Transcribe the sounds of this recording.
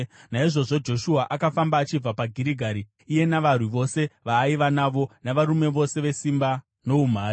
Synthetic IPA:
naiʐo̞ʐo̞d͡ʒo̞ʃuaʔakafambaːt͡ʃib͡vapaɡʱiɾiɡʱaɾiː | je̞naʋarwiʋo̞se̞ʋaːiʋanaʋo̞naʋaɾume̞ʋo̞se̞ʋe̞simba | no̞um̤aːɾi

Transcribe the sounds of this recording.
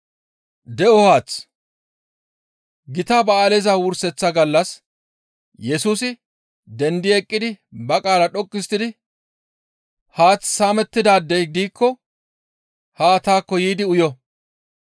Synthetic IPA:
d̪ɛɔhaːt͡s | ɡɪt̪abɐaːlɛzawʊɾsɛt͡sːɐɡɐlːɐs | jɛsuːsɪ | d̪ɛnd̪ɪɛkʼːɪd̪ɪbɐkʼaːlɐᶑɔkʼːɪst̪ːɪd̪ɪ | haːt͡sːsaːmɛt̪ːɪd̪aːd̪ːɛjɡ̪iːkʰːɔ | hat̪aːkːɔjiːd̪ɪʊjɔ

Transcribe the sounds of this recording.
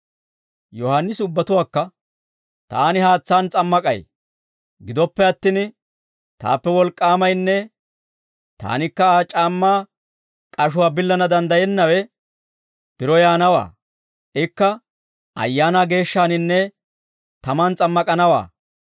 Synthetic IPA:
jɔhɐnːɪsʊbːɐt̪ʊwaːkːɐ | t̪a̰ːnɪhaːt͡sːaːnt͡sʼɐmːɐkʼɐ̰j | ɡɪd̪ɔpːɛɐt̪ːɪn | t̪a̰ːpːɛwɔlkʼːaːmɐjnːɛ | t̪a̰ːnɪkːɐaːt͡ʃʼaːmːaː | kʼɐʃ̬ʊwaːbɪlːɐnɐd̪ɐnd̪ɐjɛnːɐwɛ | b̥ɪɾɔjaːnɐwa̰ː | ʔɪkːɐ | ʔɐ̰jːaːnaːɡe̞ːʃːaːnɪnːɛ | t̪ɐmaːnt͡sʼɐmːɐkʼɐnɐwa̰ː

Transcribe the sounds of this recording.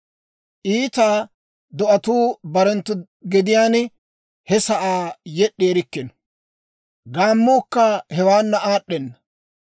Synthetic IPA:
ʔiːt̪aː | d̪ɔʔɐt̪uːbɐɾɛnt̪ːʊ | ɡɪd̪ɪjaːn | hɛsɐʔaːjɛɗːeːɾɪkːɪnɔ̥ | ɡaːmːuːkːɐhɛwaːnːɐʔaːɗːɛnːɐ

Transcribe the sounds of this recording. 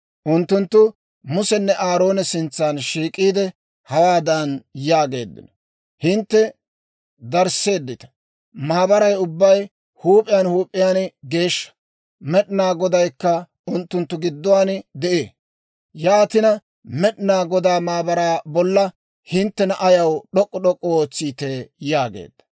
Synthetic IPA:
ʔʊnt̪ːʊnt̪ːʊ | mʊsɛnːɛʔaːɾo̞ːnɛsɪnt͡sːaːnʃiːkʼiːd̪ɛ | hɐwaːd̪ɐnjaːɡe̞̰ːd̪ːɪ̰nɔ | hɪnt̪ːɛ | d̪ɐɾse̞ːd̪ːɪt̪ɐ̥ | maːbɐɾɐjʊbːɐj | huːpʼːɪjaːnhuːpʼːɪjaːnɡe̞ːʃːɐ̥ | mɛɗnaːɡɔd̪ɐjkːɐ | ʊnt̪ːʊnt̪ːʊɡɪd̪ːɔwaːnd̪ɛʔeː | jaːt̪ɪnɐ | mɛɗɪnaːɡɔd̪aːmaːbɐɾaːbɔlːɐ | hɪnt̪ːɛnɐʔɐjɐwɗɔkʼːɔɗɔkʼːɔoːt͡sːiːt̪ejaːɡḛːd̪̥ːɐ̥

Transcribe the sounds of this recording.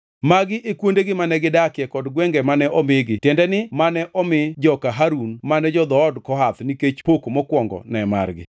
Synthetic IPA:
maɡɪʔekwondeɡɪmanɛɡɪdakɪɛkɔdɡwɛŋɡɛmanɛʔɔmɪɡɪtjɛndɛnɪmanɛʔɔmɪd͡ʒɔkaɦaɾunmanɛd͡ʒɔd̪ɔːdkɔɦat̪niket͡ʃpokomɔkwɔŋɡɔ̰nɛma̰rɡɪ̰

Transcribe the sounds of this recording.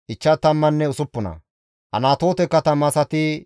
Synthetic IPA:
ʔɪt͡ʃːɐt̪ːɐmːɐnːɛʊsʊpːʊnɐ̰ | hɐ̰naːt̪o̞ːt̪ɛkːɐt̪ɐmɐsɐt̪ɪ

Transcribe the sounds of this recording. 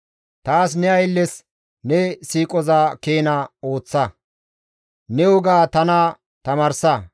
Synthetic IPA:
t̪aːs̬nɛɐjlːɛs | nɛsiːkʼɔzaːkeːnɐo̞ːt͡sːɐ | nɛʊɡaːt̪ɐna | t̪ɐmaːɾsɐ

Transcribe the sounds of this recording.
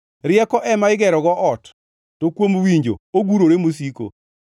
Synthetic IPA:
ɾɪɛkɔʔɛmaɪɡɛɾɔɡɔʔɔtː | okwomwiɲd͡ʒo̰oɡuɾoɾemos̬iko̰

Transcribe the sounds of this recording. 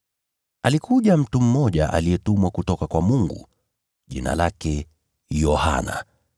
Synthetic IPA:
alikuʄam̩tum̩mɔʄaʔa̰lijɛtumwakutɔkakwamuŋɡṵ | ʄḭna̰lakɛ | jɔha̰na̰

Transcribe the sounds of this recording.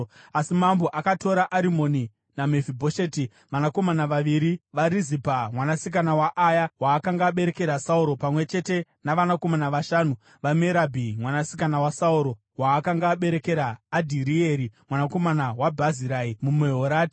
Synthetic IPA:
asimambo̞ʔakato̞ɾaʔaɾimo̞ni | name̞vibʱoʃeti | ʋanako̞manaʋaʋiɾiʋaɾizipamwanasik̬anawaʔajawaːkaŋɡaːɓe̞ɾe̞ke̞ɾasauɾo̞pamwe̞t͡ʃe̞te̞ | naʋanako̞manaʋaʃaːnu | ʋameɾabʱimwanasi̥kanawasauɾo̞ | waːkaŋɡaːɓe̞ɾe̞ke̞ɾaːdʱiɾieɾimwanako̞manawabʱaziɾaːimumeɦoɾaːti̥

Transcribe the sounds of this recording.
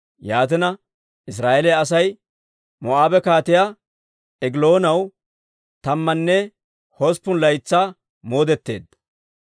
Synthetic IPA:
jaːt̪ɪnɐ | ʔɪs̬ɾaːʔɛlɛjɐs̬ɐj | mɔʔaːbɛkaːt̪ɪjaː | ɛɡɪlo̞ːnɐw | t̪ɐmːɐnːɛ | hospːʊnlɐjt͡sːaː | mo̞ːd̪ɛt̪ːe̞ːd̪ɐ

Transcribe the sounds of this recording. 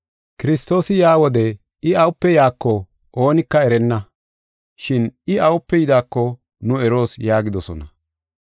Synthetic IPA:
kɪɾɪst̪o̞ːsɪjaːwɔd̪ɛ | ɪɐwʊpːɛjaːkːɔ | ʔo̞ːnɪkːɐɛɾɛnːɐ | ʃɪnɪɐwʊpːɛjɪd̪aːkːɔ | nʊɛɾo̞ːsjaːɡɪd̪ɔsɔ̰nɐ

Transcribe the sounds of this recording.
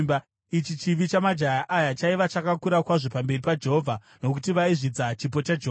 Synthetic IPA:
ba | it͡ʃit͡ʃiʋit͡ʃamad͡ʒajaʔajat͡ʃaiʋat͡ʃakakuɾakwaʐo̞pambe̞ripad͡ʒeɦovʱa | no̞k̬utiʋaiʐid͡zat͡ʃip̬o̞t͡ʃad͡ʒeɦːa

